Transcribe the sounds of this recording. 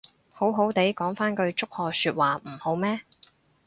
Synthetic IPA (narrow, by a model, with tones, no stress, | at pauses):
ho˨˥wɦo˨˥wt̪e˨˥jkɔː˨˥ŋfaː˥nkɵ˧ɥt͡sʊ˥k̚hɔː˨˧syː˧t̚waː˨˩m̩˨˩ho˨˥wmɛː˥